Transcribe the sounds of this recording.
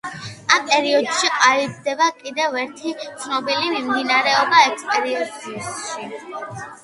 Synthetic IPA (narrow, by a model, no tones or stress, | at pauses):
ampʼɛɾiɔd̪̥ʃiqʼalib̚d̪ɛbakʼid̪ɛvɛɾt̪ʰit̪sʰnɔbilimimd̪inaɾɛɔbaɛkʰspʼɛɾiɔd̪isʃi